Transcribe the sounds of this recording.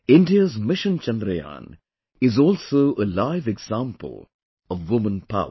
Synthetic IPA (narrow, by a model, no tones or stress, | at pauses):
ɪ̃nɖiəzmɪʃə̃nt͡ʃɛ̃nd̪ɾəjã̰ːn | ɪzɔlsoʊʔəlaɪvɛɡz̥ãmpə̰l̩ˠ | ɔʋːʊmə̃npʰa̰ʊ